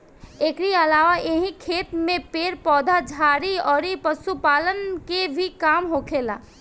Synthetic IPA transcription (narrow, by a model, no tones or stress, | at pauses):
eːkɾiəlaːʋaeɦĩkʰeːt̪mẽpeːɾpɔːd̪ʱad͡ʒʱaːɾiɔːɾipəsupaːlənkebʱikaːmɦokʰeːla̰ː